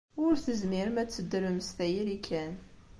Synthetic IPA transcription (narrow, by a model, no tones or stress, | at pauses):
ʊɾθəzmiɾmæt͡sːəd̪ːəɾəmst̪æjiɾikʰːæn